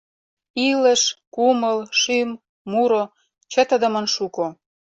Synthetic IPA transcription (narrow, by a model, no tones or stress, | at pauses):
ilə̆ʃkuməlʃymː | uɾo | t͡ɕə̆t̪ə̆d̪ə̆mə̆nʃuko